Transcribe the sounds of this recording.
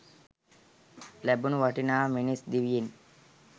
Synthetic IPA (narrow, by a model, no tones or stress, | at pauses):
lɛbunʋaʈinaːminisd̪iʋjin